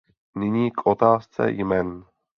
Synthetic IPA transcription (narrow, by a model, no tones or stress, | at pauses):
nɪɲiːkʔot̪aːst͡sɛ̰jmɛn